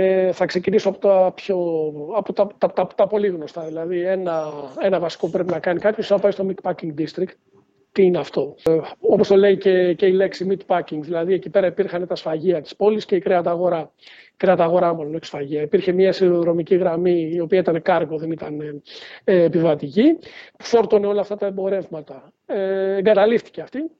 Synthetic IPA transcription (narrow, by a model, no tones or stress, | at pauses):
eθɐkse̞cinisoɐpot̪ɐpçoɐpot̪ɐt̪ɐpt̪ɐpot̪ɐpo̞liɣno̞st̪ɐðilɐðienɐe̞nɐvɐsi̥ko̞upɾe̞pinɐkɐnikɐpçosenɐpɐist̪o̞mikpɐciŋɡd̪ist̪ɾikt̪ | t̪ːiineɐft̪o̞o̞post̪o̞le̞ice̞ceile̞ksimit̪pɐciŋɡðilɐðiecipe̞ɾɐipiɾxɐnet̪ɐsfɐʝiɐt̪i̥spo̞lisce̞ikɾeɐt̪ɐɣo̞ɾɐ | ikɾeɐt̪ɐɣo̞ɾɐmolonoeksfɐʝiɐipiɾçe̞mɲɐsiɾoðɾo̞miciɣɾɐmiːo̞piɐit̪ɐne̞kɐɾɣoðe̞nit̪ɐneː | pivɐt̪icipu̥fo̞ɾt̪o̞neo̞lɐft̪ɐt̪ɐebo̞ɾe̞vmɐt̪ɐ | eeŋɡɐt̪ɐlift̪i̥ceɐft̪i